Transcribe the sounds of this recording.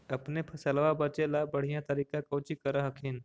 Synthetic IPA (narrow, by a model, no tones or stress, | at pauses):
əpnepʰəsəlʋabət͡ʃelabəɽ̤ijãt̪əɾikãkəwt͡ʃikəɾəɦəkʰɪn